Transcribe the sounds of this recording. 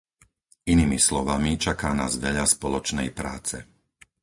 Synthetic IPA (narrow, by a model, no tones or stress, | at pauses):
inimislɔʋamit͡ʃakaːna̰ːzʋɛʎaspɔlɔt͡ʃnɛjpɾa̰ːt͡sɛ